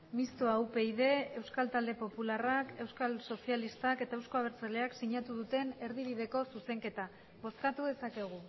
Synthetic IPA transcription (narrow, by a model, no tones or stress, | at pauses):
mist̪oaupe̞iðe̞ːwskalt̪ald̪e̞po̞pularake̞wskalso̞sialist̪ake̞t̪aewsko̞aβ̞e̞ɾt͡sale̞aksiɲat̪uðut̪e̞ne̞ɾðiβ̞iðe̞ko̞suse̞ŋke̞t̪a | βo̞sk̪at̪uðe̞sake̞ɣ̞u